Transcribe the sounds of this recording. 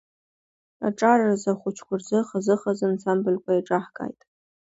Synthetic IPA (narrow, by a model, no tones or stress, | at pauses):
a̰ʈ͡ʂʼarrazaχʷʊt͡ʃʰkʷʊrzɨχazɨχazɨnsambɨlkʷʰajiʈ͡ʂʼaħkʼa̰jtʼ